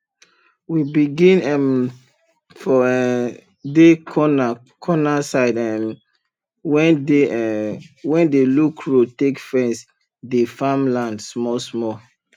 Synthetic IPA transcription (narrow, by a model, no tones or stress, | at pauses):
wibiɡĩnɛm | fɔɛ | dekʰɔna | kʰɔnasaɪdɛm | wɛ̃nde | wɛ̃ndelukʰɹotekfɛ̃ns | defamlãndsmɔsmɔ